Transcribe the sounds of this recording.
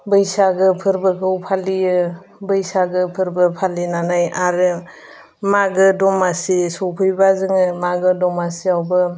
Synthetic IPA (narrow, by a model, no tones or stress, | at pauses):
bɯjsaɡɯpʰɯɾbɯɡʰɯwpʰaliɯ | bɯjsaɡɯpʰɯɾbɯpʰalinanajaɾɯ | maɡɯdɔmasisɔpʰɯjbazɯŋɯmaɡɯdɔmasiawbɯ